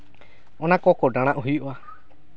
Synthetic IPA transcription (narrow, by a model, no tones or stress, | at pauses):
õnãkokoɖãɽ̃ãʔuɦiʔoa